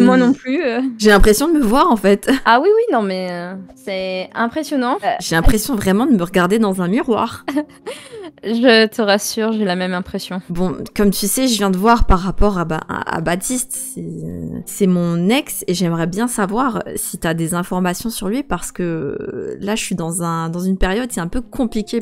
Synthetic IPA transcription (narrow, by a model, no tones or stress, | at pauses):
mwanɔ̃plyøʒelɛ̃pχesjɔ̃d̪əməvwaʁɑ̃fɛt̪awiwinɔ̃mɛsɛɛ̃pχesjɔnɑ̃ʒelɛ̃pχesjɔ̃vʁɛmɑ̃d̪əməʁəɡaʁd̪ed̪ɑ̃zɛ̃miʁwa̰ːʁ | ʒət̪ʰəʁasyːʁʒelamɛmɛ̃pχesjɔ̃bɔ̃kɔmt̪ʰysɛʒəvjɛ̃d̪əvwaʁpaʁːapɔʁaba̰a̰bat̪ʰist̪sɛsɛmɔ̃nɛkseʒɛmʁɛbjɛ̃savwaʁsit̪yad̪ezɛ̃fɔʁmasjɔ̃syʁlɥipaʁsə̥kə | laʒəʃɥid̪ɑ̃zɛ̃d̪ɑ̃zynpeʁjɔd̪sɛɛ̃pøkɔ̃plikʲe